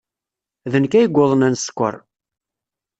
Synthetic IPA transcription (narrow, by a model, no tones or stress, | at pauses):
ðənkæjəɡʷːoðˤənænsə̥kʷːə̰ɾˤ